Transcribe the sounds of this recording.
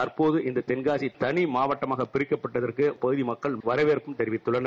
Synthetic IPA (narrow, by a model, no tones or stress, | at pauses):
ɐɾpoːðɯʔɪnd̪ɐt̪ɛnɡaːsit̪ɐɳimaːʋɐʈːɐmaːɣɐpːɪɾɪkːɐpːɐʈːɐðɐrkɯpɐɣɯðimɐkːɐɭʋɐɾɐʋeːɾpːɯmt̪ɛɾɪʋɪt̪ːɯɭːɐn